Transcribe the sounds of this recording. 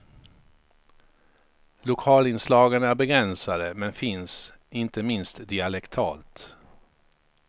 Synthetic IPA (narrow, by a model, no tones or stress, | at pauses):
lʊkʰɑːlɪnslɑːɡənæɾbɛɡɾɛnsad̪əmɛnfɪns | ɪnt̪əmɪnst̪d̪ɪalɛkt̪ʰɑ̰ːlt̪